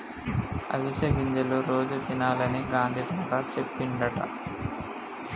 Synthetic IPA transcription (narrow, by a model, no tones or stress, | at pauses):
ɐ̰ʋiʃɐɡiɲd͡ʒɐloɾo̞ːd͡ʒut̪inaːlɐniɡaːnd̪ʱid̪ɐːk̪aːt͡ʃepːiɳɖɐʈɐ̰